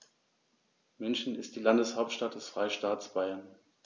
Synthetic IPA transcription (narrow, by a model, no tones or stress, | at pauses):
mʏnçn̩ɪstd̥iːlandəshaʊp̚tʃtat̚d̥ɛsfʁ̥aɪʃtaːtsb̥aɪɐn